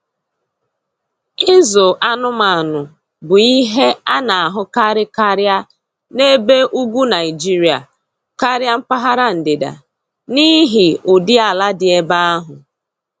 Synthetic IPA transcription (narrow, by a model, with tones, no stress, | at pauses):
ɪ˦zo˨ʔa˦nʊ˦ma˨nʊ˨ | bʊ˨i˦ɦe˦a˦na˨a˨ɦʊ˦ka˦ɾɪ˦ka˦ɾja˦ | ne˦be˦ʔu˦ɡʷu˦na˨ɪ˨d͡ʒi˦ɾi˨a̰˨ | ka˦ɾja˦m̩˦pa˦ɦa˦ɾa˦n̩˨dɪ˨da̰˨ | ni˦ɦɪ˨ʊ˨dɪ˦a˨la˦dɪ˨e˦ba˦a˦ɦʊ˨